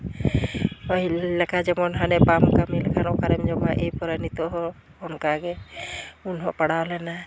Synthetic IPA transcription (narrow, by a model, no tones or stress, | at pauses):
ɔilɛkad͡ʒɛmɔnɦanɛpamkamilɛkʰanɔkaɾɛmd͡ʒɔmaʔejpɔɾanit̪ɔɦɔ | ɔnkaɡɛ | unɦɔʔpaɽawlɛna